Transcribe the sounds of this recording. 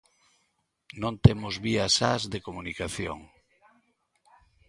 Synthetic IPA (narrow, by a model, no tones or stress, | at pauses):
nõnt̪emʊzβiasazðekomunikaθjo̰ŋ